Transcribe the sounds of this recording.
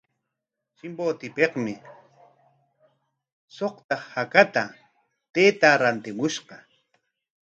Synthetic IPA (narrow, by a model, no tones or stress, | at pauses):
t͡ʃɪmboːt̪ɪpeqmɪ | soqt̪ɑχhakat̪a | t̪eːt̪aɾant̪ɪmʊʃqɑ